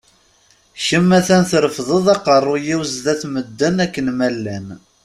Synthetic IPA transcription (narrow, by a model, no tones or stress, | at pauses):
ʃəmːæθænθɾəfðˤəðˤɑqərˤːʊjiwzðæθməd̪ːənækːənmælːæn